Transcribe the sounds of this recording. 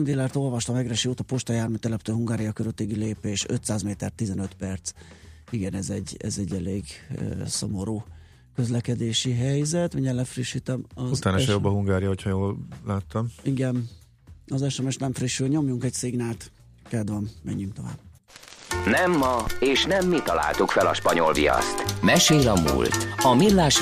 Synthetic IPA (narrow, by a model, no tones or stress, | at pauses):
md̪ilɛrt̪o̞lvɒʃt̪ɒmɛɡrɛʃioːt̪ɒpoʃt̪ɒjaːrmit̪ɛlɛpt̪øːɦuŋɡaːɾijɒkøzøt̪ːeːɡileːpeːʃø̰t̪saːzmeːt̪ɛrt̪ːizɛnøt̪pɛrt̪siɡɛnɛzɛɟːɛ̰zɛɟːɛleːɡø̰so̞̰mo̞ɾoː | køzlɛkɛd̪eːʃiɦɛjzɛt̪miɲɛlːɛfriʃːit̪ɛmɒut̪aːnʃɛjobːɒɦuŋɡaːɾijɒɦocʰɒjoːlːaːt̪ːɒmiɡɛn | ɒzɛʃɛmɛʃnɛɱfriʃːylɲo̞mjuŋkɛcseːɡnaːt̪ | kɛd̪vɒmːɛ̰ɲːyŋk̚t̪o̞va̰ːb̥ | nɛmːɒeːʃnɛmːit̪ɒla̰ːlt̪ukfɛlɒ̰ʃpɒɲo̞lvḭjɒ̰st̪mɛʃeːlɒmṵːlt̪ɒmilːaːʃ